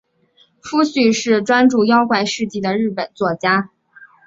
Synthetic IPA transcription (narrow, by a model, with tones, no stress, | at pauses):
fu˥ɕy˥˩ʂɻ̩˥˩ʈ͡ʂwa˥nʈ͡ʂu˥˩jɑ˥ʊkwa˥˩ɪʂɻ̩˥˧t͡ɕi˥˩d̪ə˩ɻɻ̩˥˩pə˨˩nt͡swɔ˥˩t͡ɕja˥